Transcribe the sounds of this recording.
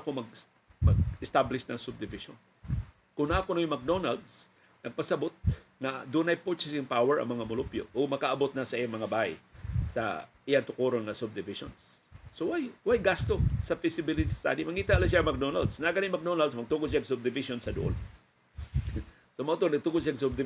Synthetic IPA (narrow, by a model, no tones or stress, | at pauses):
komɐɡ | mɐɡɪst̪ablɪʃnɐŋsʊb̚d̪ɪvɪʃo̰n | kʊŋnakonojmak̚d̪onald̪s | nɐɡ̚pɐsɐbʊt̪̚ | ŋad̪unajpot͡ʃɛsɪŋpawɛɹɐ̰ŋmɐŋamʊlʊpjo̰ʔomɐkaʔːbot̪̚nasɐʔijaŋmɐŋabaj̰sa̰ʔɪjaŋt̪ʊkuɾonŋasʊb̚d̪ɪvɪʃo̰ns | sowajwajɡast̪osafɪsɪbɪlɪt̪isst̪a̰d̪imɐkiːt̪aʔlas̬jamak̚d̪ona̰ld̪snaaɡanjmak̚d̪onald̪s̬mɐɡ̚t̪uɡʊd̪s̬ijaɡsʊb̚d̪ɪvɪʃonsɐd̪ʊʔo̰l | somat̪onɐɡ̚t̪uɡʊd̪̚sjaɡs̬ʊb̚d̪ɪ